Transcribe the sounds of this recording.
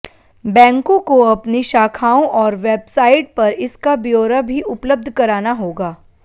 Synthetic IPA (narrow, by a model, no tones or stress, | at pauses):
bɛ̃ːŋkõkoɐpniʃaːkʰaːõʔɔːɾʋeːbsaːɪʈ̚pɐɾɪskabjoːɾabʱiʔʊpləb̚d̪ʱkɐɾaːnaɦoːɡaː